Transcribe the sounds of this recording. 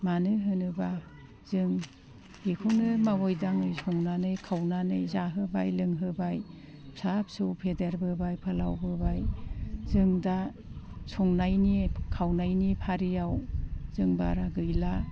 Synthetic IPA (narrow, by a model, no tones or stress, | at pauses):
manɯɦɯnɯba | z̥ɯŋ | ekʰunɯmawɔjdaŋɯjsʰɔŋnanɯjkʰawnanɯjzaɦɯbajlɯŋɦɯbaj | sap̚sɯwpʰedeɾbɯbajpʰɯla̰wbɯbajzɯŋda | sʰɔŋnajnikʰawnajnipʰaɾijawz̥ɯŋba̰ɾaɡɯjla